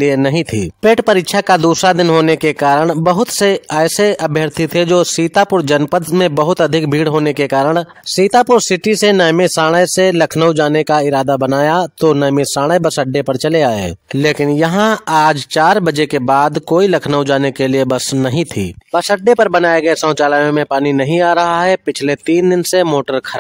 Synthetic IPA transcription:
lienɐɦĩt̪ʰḭːpeːʈpɐɾɪtːʃʰakad̪uːsɾad̪ɪnɦoːnekekaːɾəɽ̃bɐɦʊt̪seɛːseʔɐbʱjəɾt̪ʰit̪ʰed͡ʒoːsiːt̪apʊɾd͡ʒɐnpəd̪mẽbɐɦʊt̪ɐd̪ʱɪk̚bʱiːɽɦoːnekekaːɾəɽ̃ | siːt̪apʊɾsɪʈisenɛjmesaːɽ̃əjselɐkʰnəwd͡ʒaːnekaɪɾaːd̪abɐnaːjat̪onəːmesaːɽ̃əjbɐsəɖːepɐɾt͡ʃɐleaːḛːleːkɪnjɐɦãaːd͡ʒt͡ʃaːɾbɐd͡ʒekebaːd̪koːilɐkʰnəwd͡ʒaːnekeliebɐsnɐɦĩt̪ʰḭːbɐsəɖːepɐɾbɐnaːeɡɐesə̃ːt͡ʃaːlaːjõmẽpaːninɐɦĩaːɾɐɦaɦɛpɪt͡ʃʰlet̪iːnd̪ɪnsemoːʈəɾkʰɐɾa

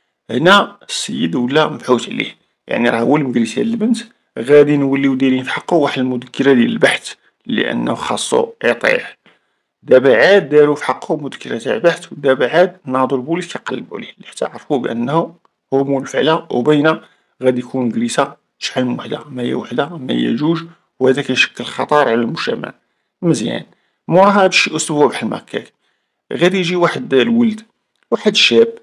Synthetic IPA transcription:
hnæsːəjːəd̪wəlːæməbħut̪ʕlḭh | ja̰ʕniɾˤɑhwəlməɡɾisa̰ləlbənt̪ | ɣæd̪inwəlːiwd̪iɾinfħɑqːuwaħəd̪əlmud̪əkʰːəɾad̪jæləlbaħt̪ | lːḭʔə̰nːxɑ̰sˤːṵet̪ˤḭħ | d̪æbaʕad̪̚ːæɾufħɑqːumʊd̪əkːəɾat̪aʕlbaħt̪wd̪æbaʕad̪nɑd̪ˤulbuliskæjqɑlːəbṵlihlːiħḁt̪ːæʕɾˤfubʔənːhu | hʊmulfəʕla̰wbæjna | ɣæd̪ijkʰunɡɾisa | ʃħalmwaħd̪amæhijæ̰waħd̪amæ̰jæ̰ʒuʒ | whæd̪ækæjʃə̥kːəlxɑ̰t̪ˤɑɾˤʕlælmʊʒ̥t̪æ̰ma̰ʕ | məzjæ̰n | mʊʕɦæbæʃjʔosˤt̪bwæbaħəlmæ̰kːæ̰k | ɣæd̪ijʒiwaħəd̪lwəld̪ | waħəd̪ʃæb

